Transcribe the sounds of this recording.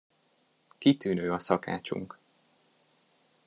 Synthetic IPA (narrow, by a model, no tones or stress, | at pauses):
kit̪yːnøːɒsɒka̰ːt͡ʃṵŋk